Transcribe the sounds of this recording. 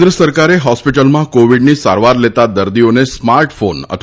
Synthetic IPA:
d̪ɾəsəɾkaɾeɦɔspiʈəlmãkoʋiɖniːsa̰ɾʋaɾlet̪ad̪əɾd̪ijonesmaɾʈfonə̰t̪ʰ

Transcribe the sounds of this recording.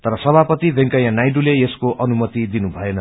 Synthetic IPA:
t̪ʌɾʌsʌbʱapʌt̪ibʱẽŋkʌjãnajɖulejeskoʔʌnumʌt̪id̪inubʱʌenʌ

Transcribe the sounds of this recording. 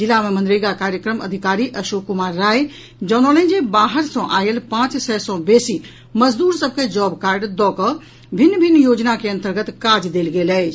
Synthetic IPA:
d͡ʒɪlamẽmə̃nd̪ɾiɡakaːɾjəkɾəmɐd̪ʱɪkaːɾiʔɐʃoːkʊmaːɾːaːj | d͡ʒɔːnɔːlẽːd͡ʒebaːɦəɾsɔ̃ʔaːjelpãːt͡ʃsɛːsɔ̃beːsi | mɐzd̪uːɾsəb̚ked͡ʒɔːbkaːɾɖd̪ɔːkə | bʱɪnːbʱɪnːjoːd͡ʒnakeɐ̃nt̪əɾɡət̪kaːd͡ʒd̪eːlɡeːlɛ

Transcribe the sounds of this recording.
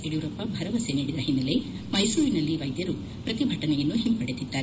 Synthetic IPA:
eɽiʋuɾɐpːɐbʱɐɾɐʋɐseniːɽid̪ɐɦinːɐle | mɐjsuːɾinɐlːiʋɐjd̪jɐɾu | pɾɐt̪ibʱɐʈɐnɛjɐnːuɦimpɐɽet̪id̪ːaːɾe

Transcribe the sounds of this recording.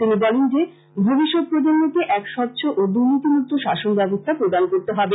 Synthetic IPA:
t̪inibɔlend͡ʑe | bʱubiʃok̚pɾod͡ʑonːet̪eʔɛkʃɔtːɕʰoʔod̪uɾnit̪imut̪ʰːoʃaʃonbɛbost̪ʰapɾod̪ankoɾt̪eɦɔbe

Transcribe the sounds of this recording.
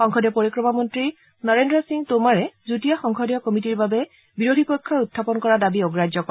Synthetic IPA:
xɔŋkʰɔdjɔpoɹikɹɔmamɔntɹi | nɔɹendɹɔsiŋtomaɹɛzutijaxɔŋkʰɔdjɔkomitiɹbabɛ | biɹodʱipɔjkʰːɔutʰːapɔnkɔɹadabiɔɡɹad͡ʒjɔkɔ

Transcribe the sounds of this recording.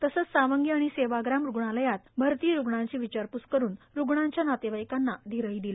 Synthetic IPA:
t̪əsət͡ssaʋəŋɡiaɽ̃iseʋaɡɾamɾuɡɳ̃aləjat̪̚bʱəɾt̪iːɾuɡɳaɲt͡ɕiːʋit͡ɕaɾpuskəɾuːn | ɾuɡɳaɲt͡ɕjanat̪eʋajkanːad̪ʱiɾəid̪ila

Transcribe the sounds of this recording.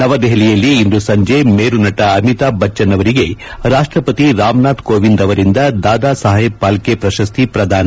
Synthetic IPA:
nɐʋɐd̪ɛɦlijɐlːiːnd̪usɐɲd͡ʒemeːɾunɐʈɐɐmit̪aːbɐt͡ʃːɐnːɐʋɐɾiɡeɾaːʂʈɾɐpɐt̪iɾaːmnaːt̪koːʋind̪ɐʋɐɾind̪ɐd̪aːd̪aːsaːɦɦeb̚paːlkepɾɐʃɐst̪ʰipɾɐd̪ʱaːnɐ

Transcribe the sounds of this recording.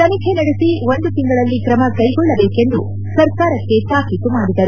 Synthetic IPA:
t̪ɐnikʰenɐɽesiʋo̞nd̪ut̪iŋɡɐɭɐlːikɾɐmɐkɐjɡɔɭːɐbeːke̞nd̪ṵ | sɐɾkaːɾɐkːe̞t̪aːkit̪umaːɽid̪ɐɾu

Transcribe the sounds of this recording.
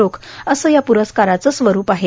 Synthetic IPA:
okʰəsəːjapuɾəskaɾat͡səsʋəɾuːpaɦe

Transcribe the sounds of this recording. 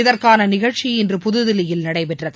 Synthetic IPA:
ɪðɐrkaːnɐnɪɣɐɻt͡ʃiɪndrɯpʊðɯðɪlɪjɪlnɐɽɐɪpɛʈrɐð

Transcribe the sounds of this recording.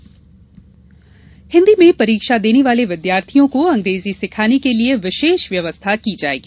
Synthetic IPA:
hɪ̃nd̪imẽpɐɾiːkʃad̪eːneʋaːleʋɪd̪jaːɾt̪ʰijõkoɐ̃ŋɡɾeːzisɪkʰaːnekelieʋɪʃeːʃʋjɐʋəst̪ʰakid͡ʒaːḛːɡiː

